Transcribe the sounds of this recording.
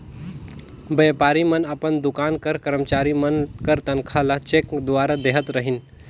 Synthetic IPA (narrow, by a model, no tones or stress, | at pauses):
bepaːɾimənəpənd̪ʊkaːnkəɾkəɾəmt͡ʃaɾimənkəɾt̪ənkʰalat͡ʃekd̪ʊaɾad̪eɦət̪ɾəɦin